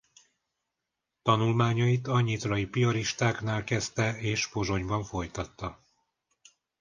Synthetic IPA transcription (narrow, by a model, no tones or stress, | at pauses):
t̪ɒnulmaːɲɒit̪ɒɲit̪rɒipioɾiʃt̪aːknaːlkɛst̪ɛeːʃfo̞ʒo̞ɲbɒɱfo̞jt̪ɒt̪ːɒ